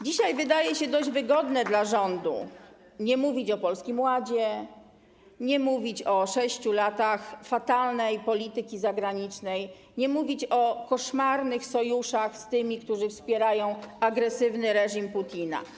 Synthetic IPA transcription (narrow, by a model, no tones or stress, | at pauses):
d͡ʑiɕajvɘd̪ajɛɕɛd̪ɔʑd͡ʑvɘɡɔd̪nɛd̪laʐɔnd̪ṵ | ɲɛmuvʲit͡ɕɔpɔlskʲimwad͡ʑɛ | ɲɛmuvʲit͡ɕɔʂɛɕt͡ɕulat̪axfat̪alnɛjpɔlʲit̪ɘkʲizaɡɾaɲit͡ʂnɛj | ɲɛmuvʲit͡ɕɔkɔʂmaɾnɘxsɔjuʂaxst̪ɘmʲikt̪uʐɘfspʲjɛɾajɔ̃w̃aɡɾɛsɘvnɘɾɛʐimput̪ʲina̰